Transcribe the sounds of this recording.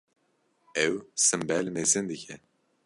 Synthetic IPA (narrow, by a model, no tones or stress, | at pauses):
ɛwsɨmbɛlnezɨnd̪ɨcʰɛ